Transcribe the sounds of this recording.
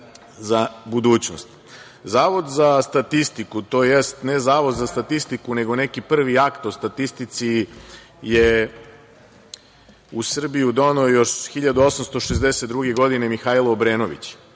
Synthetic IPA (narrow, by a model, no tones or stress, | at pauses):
zabud̪uːt͡ɕno̰st̪ | zaːʋo̞d̪zast̪at̪ist̪ikut̪o̞ːjest̪nezaːʋo̞d̪zast̪at̪ist̪ikune̞ɡo̞ne̞kipr̩ʋiakt̪o̞st̪at̪ist̪it̪si | je | usr̩bijud̪o̞noːjo̞ʃxiʎad̪uo̞samst̪o̞ʃezd̪eset̪d̪ɾuɡe̞ɡo̞d̪ine̞mixaːjloobɾeːno̞ʋḭt͡ɕ